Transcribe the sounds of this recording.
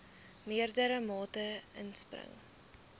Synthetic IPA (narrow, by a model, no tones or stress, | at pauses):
miərdəɾəmɑːtəʔə̰nsprə̰ŋ